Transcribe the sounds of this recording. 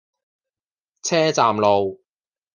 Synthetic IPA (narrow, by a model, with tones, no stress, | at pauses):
t͡sʰɛː˥t͡saː˨mlo˨w